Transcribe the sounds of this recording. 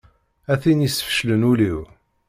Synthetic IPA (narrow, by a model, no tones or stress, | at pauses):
æθinjisə̥fə̥ʃlənuliw